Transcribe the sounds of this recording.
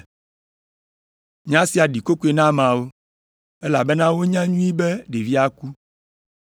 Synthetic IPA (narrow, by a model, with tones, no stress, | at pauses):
ɲ˦ã˦si˨a˨ɖi˨ko˦ku˦e˨nã˦mã˨wo˦ | e˦la̰˨be˦nã˦wo˦ɲã˦ɲũ˦i˦be˦ɖe˨vi˦a˦ku˦